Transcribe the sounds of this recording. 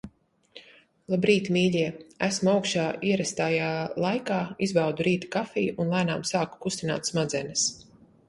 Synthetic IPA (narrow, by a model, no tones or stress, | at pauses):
lˠabɾiːt̪imiːʎʲiɛæsmuawkʃaːʔiɛɾɛst̪ajaːlˠajkaːizbawd̪uɾiːt̪ḁkafiːʔunlˠæːnaːmsaːku̥kust̪ina̰ːt̪smad̪zɛnɐs